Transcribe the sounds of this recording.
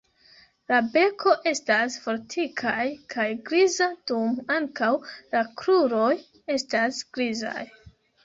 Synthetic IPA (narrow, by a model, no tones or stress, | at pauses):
labe̞kʰo̞ʔe̞stasfo̞ɾtʰikʰajkʰajɡɾizad̥umaŋkawlakɾuɾo̞j | e̞stasɡ̥ɾiza̰j